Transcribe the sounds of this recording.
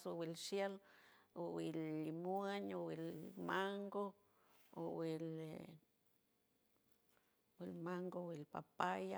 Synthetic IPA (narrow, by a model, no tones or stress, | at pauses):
sowilʃjelowilːimueɲowilmaŋɡo | owil | wilmaŋɡowilpa̰paja